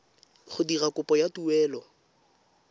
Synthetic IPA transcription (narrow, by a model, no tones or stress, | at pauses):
χʊdirakʊpʼɔjatuwɛːlɔ